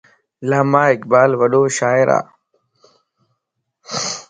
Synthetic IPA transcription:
laːmaːɪkbaːlʋəɗoːʃaːɪɾa̰ː

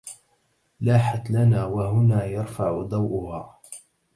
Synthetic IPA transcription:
laːħat̪lanaːwahʊnaːjɑɾˤfaʕʊd̪ˤɑwʔʊhaː

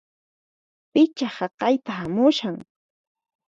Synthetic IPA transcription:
pɪt͡ʃahɑqɑjt̪ahamʊʃaŋ

